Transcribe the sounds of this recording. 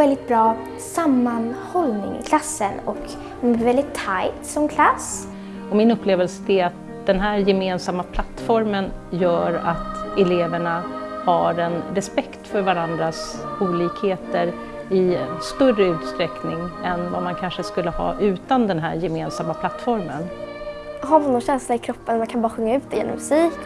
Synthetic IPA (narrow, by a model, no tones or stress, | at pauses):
ɛld̪ɪt̪̚bɾɑː | samːanhɔlnɪ̰ŋ̰kʰlasːənɔ̰k | ɔmvɛld̪ɪt̪ʰːajt̪sɔmkʰlas | ɔmɪnɵpːleːvəlsəd̪ɛat̪̚ | d̪̥ɛnɦæːɾjɛmeːnsamːapʰlat̪ːfɔɾmənjœːɾa̰t̪ɛleːvəɳahaɾɛnɾɛspɛkt̪fœɾvaɾand̪ɾas | uːliːkheːt̪əɾ | ɪnst̪œrəʉ̟ːt̪st̪ɾɛknɪŋɛnva̰mankʰanʂəskɵlːəhɑ̰ːʔʉ̟ːt̪and̪ɛnɦæːɾjɛmeːnsamːapʰlat̪ːfɔɾmə̰n | ɦaɾmanːɔnɕɛnslaɪkʰɾɔpːənmankʰanbɑːɾaɧɵŋːaʉ̟ːt̪d̪ɛjḛnɔ̰mɵsiːk